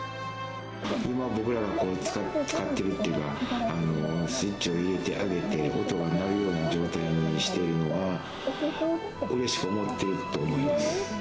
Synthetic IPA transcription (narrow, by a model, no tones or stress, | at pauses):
imabo̞kɯ̟ɾaɡako̞ːt͡sɨ̥at͡sɨ̥kat̪ːe̞ɾɯ̟t̪ːeɯ̟kaːno̞sɨit͡ɕːio̞iɾe̞t̪e̞̰ʔaɡe̞t̪e̞o̞t̪o̞ɡanaɾɯ̟jo̞ːnad͡ʑo̞ːt̪aiɲ̟iɕi̥t̪e̞ɾɯ̟no̞βa | ɯ̟ɾe̞ɕi̥kɯo̞mot̪ːe̞ɾɯ̟t̪o̞ːmo̞imasɨ̥